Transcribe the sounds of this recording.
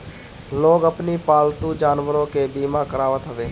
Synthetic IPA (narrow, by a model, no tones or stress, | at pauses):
loːɡəpnipaːlt̪ud͡ʒaːnwəɾõkebiːmãkəɾaːʋət̪ɦəʋeː